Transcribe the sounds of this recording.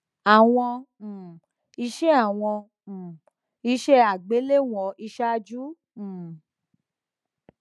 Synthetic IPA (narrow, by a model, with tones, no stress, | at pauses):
a˨w̃ɔ̃˧˨ | i˧ʃɛ˦a˦˨w̃ɔ̃˧˨ | i˧˦ʃɛ˦a˨ɡ͡be˨˦le˦w̃ɔ̃˧˨i˧ʃa˦d͡ʒũ˦˨